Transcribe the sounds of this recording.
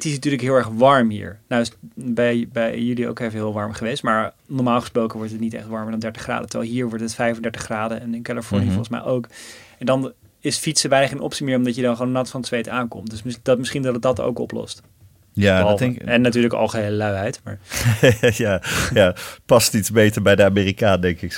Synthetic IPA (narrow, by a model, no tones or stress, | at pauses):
ətɪsnatyːɹləkɦɪːlˠɛɹχʋɑɹmɦḭːɹnawsbɛjbɛjjylio̰wkevəɦɪːlˠʋɑɹmχəʋejstmaːɹnɔɹmaːlˠχə̥sprowkəʋɔɹtɦətnitɛ̰χtʋɑɹməɹdɑndɛɹtəχra̰ːdətəʋɛ̰lˠɦiːɹʋɔɹtɦətfɛjfəndɛtəχraːdəɛnɪnkalifɔɹnijfɔlˠχəsmɛ̰jʔowkɛndɑn | ɪsfitsəʋɛjnəχenʔɔ̰psimɪːɹɔmdɑtjədɑnχəʋoːnːɑtfɑnətsʋejtaːnkɔmtdɵsd̥ɑtmɪsχindɑtdɑto̰wkɔ̰plɔ̰st | jaɛnːatyːɹləkɑ̰lˠχəɦeləlœɥɦɛjtma̰ːɹ | jaːjapɑstitsbejtəɹbɛjdəamiːrikaːndɛŋkɪk